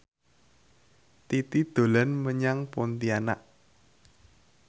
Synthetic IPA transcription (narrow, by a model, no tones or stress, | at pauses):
t̪it̪id̪̥o̤lanməɲaŋpont̪iana̰ʔ